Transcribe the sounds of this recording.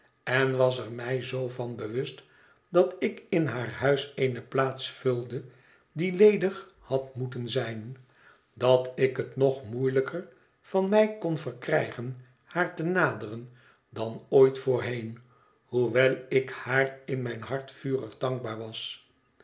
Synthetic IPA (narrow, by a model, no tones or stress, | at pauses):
ɛnʋɑsərmɛjzowvɑnbəʋɵst | d̥ɑtɪkɪnɦaːɹhœɥseɪnəplaːtsfɵlˠdə | dilejdəχ | hɑtmutənzɛjn | dɑtɪkətnoχmujləkʰər | v̥ɑnmɛjkonvəɹkrɛjχən | haːɹtənaːdərən | dɑnojtfʊːɹɦejn | huʋɛlˠɪkhaːrɪnmɛjnɦɑɹtfyːrəχdɑŋɡ̚baːɹʋɑs